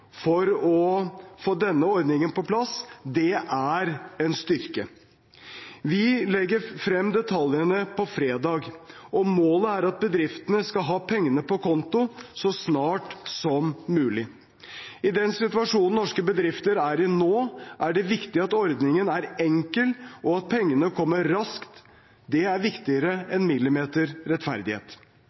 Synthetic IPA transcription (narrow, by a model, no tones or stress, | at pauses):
fɔɾɔfoːd̪ɛnːəɔɾd̪nɪŋənpɔplɑsd̪ɛʔæɾɛnst̪ʏɾkə | ʋɪlɛɡːəɾfɾɛmːd̪ɛt̪ʰɑljənəpʰɔfɾeːd̪ɑːɡʔɔmoːləæɾɑt̪̚bəd̪ɾɪft̪ənəskɑlɦɑːpʰɛŋːənəpɔkʰɔnt̪ʊsɔsnɑːʈsɔmːʉːlɪ | ɪd̪ɛnsɪt̪ʉɑʂuːnn̩nɔʂkəbəd̪ɾɪft̪əɾæɾɪnoːʔæɖɛʋɪkt̪ɪɑt̪ɔɾd̪nɪŋənæɾɛŋkəlʔɔɑt̪̚pʰɛŋːənəkʰɔmːəɾːɑskt̪ | d̪ɛæɾʋɪkt̪ɪəɾəɛnmɪlːɪmeːt̪əɾɾɛt̪fæ̰ɾd̪ɪhḛːt̪